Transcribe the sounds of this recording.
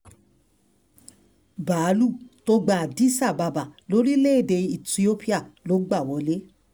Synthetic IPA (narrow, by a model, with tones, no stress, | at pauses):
ba˨˦lu˦˨to˧˦ɡ͡ba˨di˨˦sa˦˨ba˧ba˨lo˦ɾi˦le˦e˦˨de˧i˨ti˨˧o˦pʰi˦a˦˨lo˨˦ɡ͡ba˦˨wɔ˨˦le˦